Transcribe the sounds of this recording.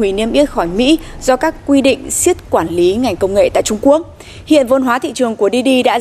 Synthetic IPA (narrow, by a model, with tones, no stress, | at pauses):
wi˧˩ni˧əmʔi˦˥ət̚xɔ˧˩jmḭ˧˥zɔ˧kaː˦˥kːwi˧ɗḭ̈˧˨ŋ̟si˦˥ət̚kwaː˧˩nli˨˦ŋa˨˩jŋ̟kə˧wŋ͡mŋḛ˧˨t̪a̰ː˧˨jt͡ɕʊ˧ŋ͡mku˦˥ək̚ | hḭ˧˨ənvə˧nɦwaː˨˦t̪ʰḭ˧˨t͡ɕɨ˨˩əŋku˧˩əɗi˧ɗi˧ɗa̰ː˧˥